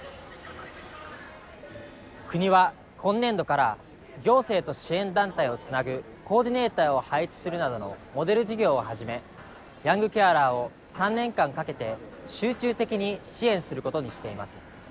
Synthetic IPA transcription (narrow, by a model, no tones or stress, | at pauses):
kɯ̟ɲ̟iβa | kʰõ̞nːẽ̞nd̪o̞kaɾa | ɡʲo̞ːse̞ːt̪o̞ɕiẽ̞nd̪ãnt̪aio̞t͡sɨnaɡɯ̟ | ko̞ːd̪ʲine̞ːt̪aːo̞hait͡sɨ̥sɨɾɯ̟nad̪o̞no̞mo̞d̪e̞ɾɯ̟ʑiɡʲo̞ːohaʑime̞ | jãŋɡɯ̟kʲaɾaːo̞ | sãnːẽ̞ŋkãŋkake̞t̪e̞ | ɕɨːt͡ɕɨːt̪e̞kʲiɲ̟iɕiẽ̞ɰ̃sɨɾɯ̟ko̞t̪oɲ̟iɕi̥t̪e̞imasɨ̥